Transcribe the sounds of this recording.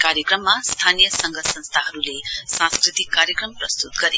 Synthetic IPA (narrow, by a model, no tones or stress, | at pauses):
kaɾjʌkrʌmːast̪ʰanijʌsʌŋɡʱʌsʌnst̪ʰaɦʌɾulesãskrit̪ikːaɾjʌkrʌmprʌst̪ut̪ɡʌɾe